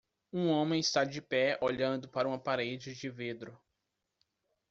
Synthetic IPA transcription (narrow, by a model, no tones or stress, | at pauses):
ũõmẽj̃ɪst̪ad͡ʒɪpɛoʎɐ̃nd̪ʊpaɾɐũapaɾed͡ʒɪd͡ʒɪved̪ɾʊ